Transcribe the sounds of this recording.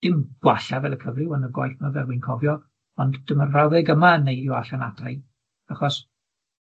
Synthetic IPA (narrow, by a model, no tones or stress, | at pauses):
d̥ɪmɡ̥waɬavɛlˠəkʰəvrɪwənəɡwa̰jθmavɛrwɪnkʰɔvjɔ | ɔndd̥ɪmənrawðɛɡəmaənːejdjɔaɬanad̥raj | aχɔs